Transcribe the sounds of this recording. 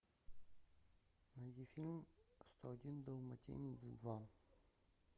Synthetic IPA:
nɐjʲifʲilʲmst̪oɐdʲind̪ɐvmɐtʲḛnʲɪsd̪va

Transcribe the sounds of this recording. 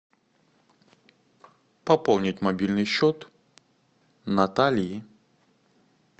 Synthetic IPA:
pɐpɔlˠnʲitʲmabʲilʲnɨɕʲɔt̪ | nat̪alʲji

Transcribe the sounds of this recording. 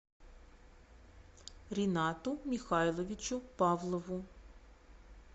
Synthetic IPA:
ɾʲinɑt̪ʊmʲixɑjlˠɔʋʲit͡ʃʊpɑʋlˠɔʋʊ

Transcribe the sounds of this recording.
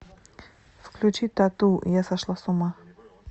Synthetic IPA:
fklʲut͡ɕit̪at̪ṵjasaʃlˠasʊma

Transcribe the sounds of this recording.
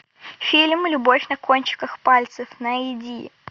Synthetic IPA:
fʲilʲmlʲʊbofʲnɐkonʲt͡ɕɪ̥kəxpalʲt̪sɨfnɐɪdʲḭ

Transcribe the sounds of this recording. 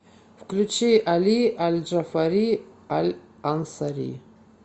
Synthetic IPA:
vkʰlʲut͡ʃʰiʔalialʲd͡ʒafaɾi | alʲ | ansaɾḭ

